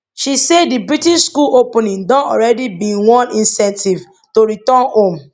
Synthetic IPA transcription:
ʃisedibɹitiʃskulopɔnĩŋdɔ̃nɔ̰ɹɛdibiwɔ̃nĩnsɛ̃ntiv | toɾitɔnhõm

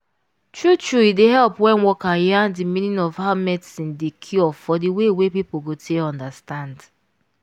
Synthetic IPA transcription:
tɹutɹuideɦɛlpwɛ̃nwɔkajandimĩnĩnɔvhaʊmɛtsĩndekʰiɔfɔdiwewepipoɡotʰeɔ̃ndastãnd

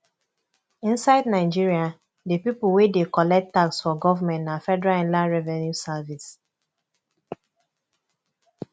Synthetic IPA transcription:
ĩnsaɪdnaɪd͡ʒiɹia | depipuwedekɔlɛk̚tːaksfɔɡɔvamɛ̃ntafɛdɛɹaɛ̃nlãnɹɛvɛ̃njusavis

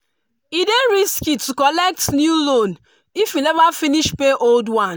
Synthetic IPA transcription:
ideɾiskitːukɔlɛk̚tnjulon | ifwilɛvafiniʃpeʔoldwãn

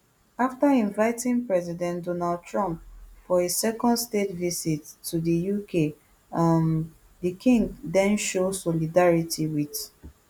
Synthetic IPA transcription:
aftaĩnvaɪtɪ̃ĩŋpɹɛzidɛ̃ndɔnald̚tʰɹɔ̃mp̚fɔesɛkɔ̃ndstetvisitʰːudəjukʰe | ãn | dəkʰĩŋɡdɛ̃nʃosɔlidaɹitʰiwit

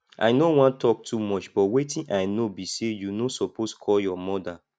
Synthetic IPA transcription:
ʔa̰jnowɔ̃ntɔk̚tʰumɔt͡ʃbɔwetĩnʔaɪnobisejunosɔposkʰɔljɔmɔda

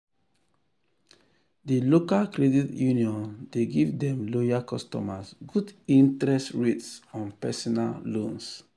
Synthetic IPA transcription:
dilokalkɾɛditjuniɔ̃ndeɡivdɛ̃mlojakɔstɔ̰masɡudĩntɾɛstɹetsɔ̃npɛsɔnallõns

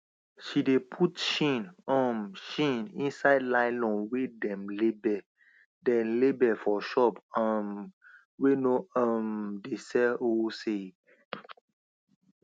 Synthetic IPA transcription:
ʃidepʰutʃĩnɔ̃mʃĩnĩnsaɪdlaɪlɔ̃nwedɛ̃mlebɛ | dɛ̃nlebɛfɔʃɔpãn | wenoamdesɛose

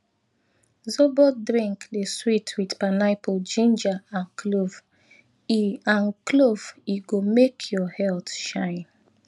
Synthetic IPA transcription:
zobɔt̚dɹĩŋkdeswitʰwidpanaɪpɔd͡ʒĩnd͡ʒaãnkʰlov | iãnklov̥iɡomekʰjɔhɛltʃãɪ̃n

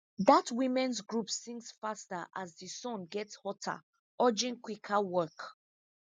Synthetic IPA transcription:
ðatʰwĩmɛ̃nsɡɹupsĩŋɡsfastaʔa̰zðəsɔ̃nɡɛtshɔtʰa̰ | ɔd͡ʒĩŋkwikʰawɜk

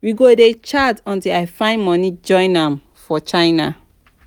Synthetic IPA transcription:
wiɡodet͡ʃatɔ̃ntilaɪfãɪ̃ndmɔnid͡ʒɔ̃ɪ̃nãm | fɔt͡ʃãɪna

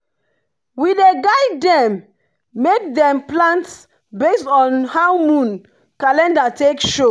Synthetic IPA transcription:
wideɡaɪdɛ̃mː | ek̚dɛ̃mplãnt | bestɔ̃nhaʊmũn | kalɛ̃ndatekʃo

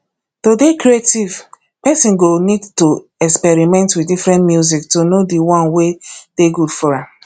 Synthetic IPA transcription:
todekɾietiv | pɛsĩnɡonidto | ɛkspɛɹimɛ̃ntwidifɹɛ̃ntmjuziktonodiwãnwed̥eɡudfɔɹa

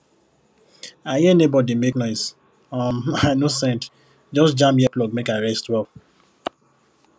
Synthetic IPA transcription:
ahinebɔdimeknɔɪs | ɔmanosɛ̃nt | d͡ʒɔsd͡ʒãmpjɛklɔk̚mekaɹɛstwɛ

